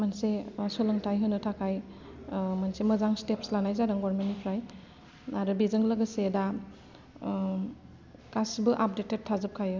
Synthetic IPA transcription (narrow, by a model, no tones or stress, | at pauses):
mansesɔlɯŋtʰajɦɯnɯtʰakʰaj | mansemɯzaŋstep̚slanajzaɾɯŋɡwaɾmenipʰɾaj | aɾɯbizɯŋlɯɡɯseda | kasbɯʔap̚detet̚tʰːazɯp̚kʰajɯ